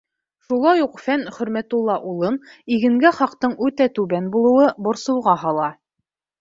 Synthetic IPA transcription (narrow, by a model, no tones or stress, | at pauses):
ʃulˠɑjuqfænχɵ̆ɾmæt̪ulˠːɑʔulˠɤniɡɘ̆ŋɡæχɑqt̪ɤɴʉt̪æt̪ʉβænbulˠɤ̆wɤbŏɾsɤ̆wʁɑɦɑlˠɑ